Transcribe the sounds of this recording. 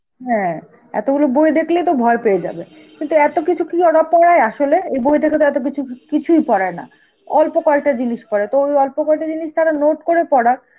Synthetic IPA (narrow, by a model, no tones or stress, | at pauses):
ɦɛ̃ | ɛ̰t̪oɡulobojd̪ekʰlejt̪obʱɔepeed͡ʑa̰be | kint̪uɛt̪okit͡ɕʰukiɔɽapɔɽaeaʃoleejbojd̪ekʰet̪oɛt̪ok̬it͡ɕʰukit͡ɕʰujpɔɽaena̰ | ɔ̰lpokɔlʈad͡ʑiniʃpɔɽet̪oojɔlpokɔlʈad͡ʑiniʃt̪aɾanoʈkoɾepɔɽaɾ